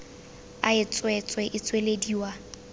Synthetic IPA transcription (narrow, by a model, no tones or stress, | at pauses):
aɪt͡sʼwɛt͡sʼwɛʔɪt͡sʼwelediwa